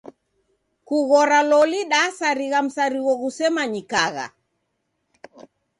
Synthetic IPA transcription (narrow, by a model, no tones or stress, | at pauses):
kuɣɔɾalɔliɗasaɾiɣam̩saɾiɣɔɣusɛmaɲikaɣa̰